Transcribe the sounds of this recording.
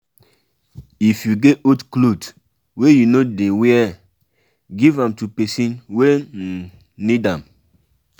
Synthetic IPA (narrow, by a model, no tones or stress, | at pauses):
ifjuɡetotklot | wejunodeweɛ | ɡivãmtupɛsĩnwe | nidãm